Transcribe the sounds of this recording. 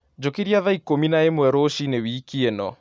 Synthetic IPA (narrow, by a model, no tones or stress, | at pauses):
d͡ʑokeɾiaðaikominaemwɛɾoʃinewikienɔ